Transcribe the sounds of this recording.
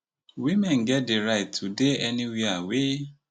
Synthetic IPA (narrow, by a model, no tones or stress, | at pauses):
wimɛ̃nɡɛt̚deɾaɪtʰːudeɛniwiawe